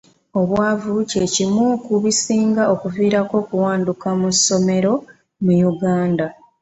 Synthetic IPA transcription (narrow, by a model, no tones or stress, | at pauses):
o̞βwaːvuce̞cimuːkuβisiːŋɡao̞kuviːɾako̞ːkuwaːndukamuso̞me̞ɾo̞ | mujuɡaːnda